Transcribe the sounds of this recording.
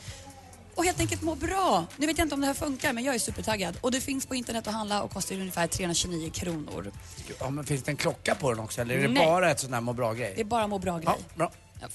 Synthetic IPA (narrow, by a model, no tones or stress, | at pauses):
ɔheːlt̪ɛŋk̬əlt̪moːɾbɾɑːnʉveːt̪jaɪnt̪əɔmd̪ɛhæːfɵŋkaɾmɛnjɑːɡæʂʉ̟ːpəʈʰaɡːad̪ɔd̪ɛfɪnspʰɔɪnt̪əɳɛt̪ːɔɦand̪laɔ̰kʰːɔst̪ajɵnjɪfæːtʰɾeːɵnɾaɕʏniːʊkʰɾuːnʊ̰ɾɑmɛnfɪnsd̪ɛnkʰlɔkːapʰɔd̪ɛnɔksɔɛlːəɾɛdɛb̪ɑːɾaɛt̪sɔnhæːɾmoːbɾɑːɡɾɛjd̪ɛːbɑːɾamoːbɾɑːɡɾ̰jb̰